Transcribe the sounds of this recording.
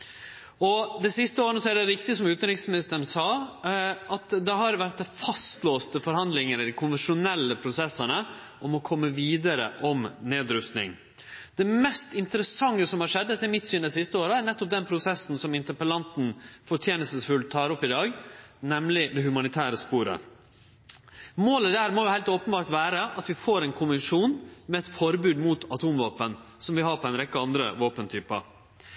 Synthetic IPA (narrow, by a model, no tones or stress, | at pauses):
ɔd̪ɛsɪst̪əoːɾənəsɔæɖɛɾɪkt̪ɪsɔmʉːt̪ənɾɪksmɪnɪst̪əɾn̩sɑː | ɑt̪d̪ɛɦɑɾʋæɾt̪̚d̪ɛfɑst̪loːst̪əfɔɾhɑnd̪lɪŋəɾəd̪ɪkʰʊnʋənʂʊnɛlːəpʰɾʊsɛsːənə | ʔɔmɔkʰɔmːəʋiːd̪əɾə̰ʔɔmneːd̪ɾʉst̪nɪ̰ŋ | d̪̥ɛmɛst̪ɪnt̪əɾəsɑŋːəsɔmhɑʂɛd̪ːɛt̪ːɛɾmɪt̪syːnd̪ɛsɪst̪əoːɾəæɳɛt̪ːɔp̚d̪ɛnpʰɾʊsɛsːn̩sɔmɪnt̪əpəlɑnt̪n̩fɔʈʰjeːnəsəsfʉlt̪ʰɑːɾɔpːɪd̪ɑːɡnɛmlɪd̪ɛhʉmɑnɪt̪ʰæːɾəspuːɾə̰ | moːləd̪æːɾmoːjʊhæɪlt̪oːpənbɑːɾʈʋæːɾəʔɑt̪ʋɪfoːɾɛːnkʰʊnʋɪnʂuːnmɛɛt̪fɔɾbʉːd̪muːt̪ʰɑt̪ʰuːmʋoːpənsɔmʋɪhɑːɾpʰɔɛɪnɾɛkːəɑnd̪ɾə̰ʋoːpənt̪ʰyːpə̰